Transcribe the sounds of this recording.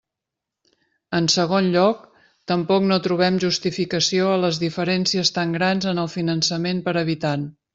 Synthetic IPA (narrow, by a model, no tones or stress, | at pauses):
ənsəɣ̞onʎɔk̚ | t̪əmpɔknot̪ɾuβ̞ɛmʒust̪ifikəsioələzðifəɾɛnsiəst̪aŋɡɾanzənəlˠfinənsəmenpəɾəβ̞it̪an